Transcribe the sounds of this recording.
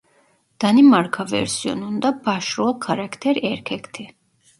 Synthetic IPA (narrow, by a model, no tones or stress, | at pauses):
d̪̥animaɾkʰavɛ̰ɾsiɔ̰nund̪abaʃɾɔlkʰaɾakʰt̪ʰɛɾɛɾkʰɛkt̪ʰi